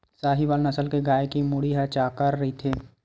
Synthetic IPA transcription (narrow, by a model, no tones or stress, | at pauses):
saːɦiʋaːlnɐsəlkeɡaːekimʊɽiɦat͡ʃaːkəɾːɐɦit̪ʰeː